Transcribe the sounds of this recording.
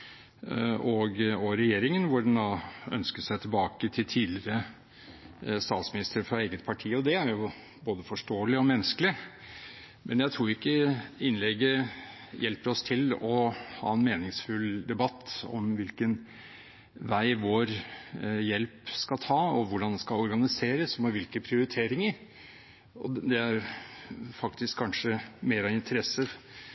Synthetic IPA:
ɔɡɔɾɛjeːɾɪŋənʋʊɖɛnd̪ɑœ̰nskəʂæɪt̪ʰɪlbɑːkət̪ʰɪlt̪ʰiːd̪lɪɾə | st̪ɑːt̪smɪnɪst̪ɾəɾfɾɑeːɡət̪̚pʰɑʈʰiːɔd̪ɛæɾjʊ | boːd̪əfɔʂʈoːəlɪɔmɛnəsklɪ | mʔɛnjæɪt̪ʰɾuːɾʊɪkːəɪnlɛɡə | jɛlpəɾɔst̪ʰɪlɔhɑ̰ːɛnmeːnɪŋsfʉld̪ɛbɑt̪ːɔ̰mʋɪlkən | ʋæɪʋoːɾ | jɛlpskɑlt̪ʰɑːɔʋʊɖɑnd̪ɛskɑɔɾɡɑnɪseːɾəsɔmɔʋɪlkəpʰɾɪʊɾɪt̪ʰeːɾɪŋəɾ | ɔ̰d̪ɛæɾ | fɑkt̪ɪskʰːɑnʂəmeːɾɑɪnt̪ʰəɾɛsːə

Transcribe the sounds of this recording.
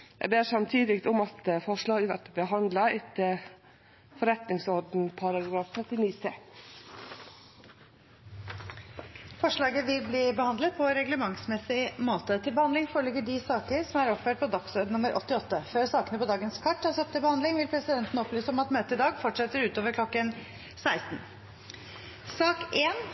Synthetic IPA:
jæ̰beːʂsɑmt̪ʰiːd̪ɪkt̪ɔmɑt̪fɔʂlɑːɡʋæ̰ʈəbəɦɑnd̪lɑɪt̪ | fɔɾɛt̪nɪŋsɔɾɖn̩pʰɑɾɑɡɡɾɑːft̪ʰɾœt̪ːɪniːst̪e | fɔʂɭɑːɡəʋɪlbliːbəhɑnd̪ət̪̚pʰɔɾɛɡləmɑŋsmɛsɪmoːt̪ət̪ʰɪlbəhɑnd̪lɪŋfoːɾəɭʏɡəɖɪsɑːkəɾsɔmæɾɔpføːʈ̚pʰɔd̪ɑksøːd̪ənʊməɾʔɔ̰t̪ːɪɔt̪ːəføːɾsɑːkənəpʰɔd̪ɑːɡənskʰɑʈːɑsɑp̚t̪ʰɪlbəhɑnd̪lɪŋʋɪlpʰɾɛsɪd̪ɛnt̪nəɔplyːsəɔmɑt̪møːt̪əɪd̪ɑːɡfɔʈʂɛt̪ːəɾʉːt̪oːʋəɾkʰlɔkːən | sæɪst̪n̩ | sɑːkeːn

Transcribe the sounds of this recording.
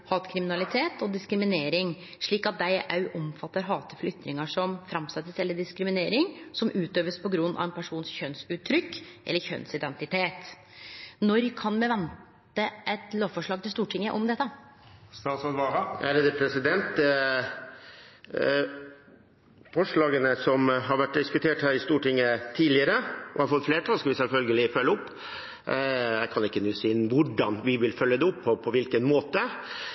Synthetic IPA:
hɑːt̪kʰɾɪmɪnɑlɪt̪ʰeːt̪ʰɔd̪ɪskɾɪmɪneːɾɪŋ | ʂɭiːkɑt̪̚d̪æɪʔɑʉʔɔmfɑt̪ːəɾɦɑːt̪əflʏt̪ːɾɪŋəʂɔmfɾɑmsɛt̪ːəsɛlːəɖɪskɾɪmɪneːɾɪŋsɔmʉːt̪øːʋəspɔɡɾʉnːɑ̰ʋɛnpʰæʂuːnsçœnsʉːt̪ʰːɾʏkːʔɛlːəɾçœ̰nsɪd̪ɛnt̪ɪt̪ʰeːt̪ | nɔɾkʰɑnmɛʋɛnt̪ | əʔɛt̪loːʋfɔʂɭɑːɡ̚t̪ɪlst̪uːʈʰɪŋːəʔɔmd̪ɛt̪ːə | st̪ɑːsɔd̪ʋɑɾɑʔæɾed̪əpʰɾɛsɪd̪ɛnt̪ | fɔʂɭɑːɡənəsɔmɦɑɾʋæʈːd̪ɪskʉt̪ʰeːʈhæːɾɪst̪uːʈɪŋːət̪ʰiːdlɪəɾəɔ̰hɑɾfɔt̪ːfleːʈ̪ʰɑːlskɔʋɪsɛlfœlɡəlɪfœlːəʊpː | jæɪkʰɑnɪkːənʉːsɪɪnʋʊɖɑnʋɪʋɪlfœlːəd̪ɛʊpʰːɔpʰɔʋɪlkənmoːt̪ə

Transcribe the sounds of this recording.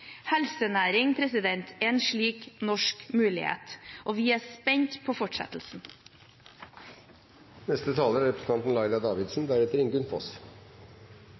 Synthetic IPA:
hɛlsənæːɾɪŋpʰɾɛsɪd̪ɛnt̪ʰɛnʂɭiːknɔʂkmʉːlɪ̰hḛːt̪ʔoːʋiːæːspɛɲt̪pʰoːfɔʈʂɛ̰t̪l̩sn̩ | nɛst̪ət̪ʰɑːləɾæɾɛpʰɾəsn̩ʰɑnt̪n̩lɑɪd̪ɑd̪ɑːʋɪd̪sn̩d̪æɾɛt̪əɾɪŋɡʉnfɔ̰s

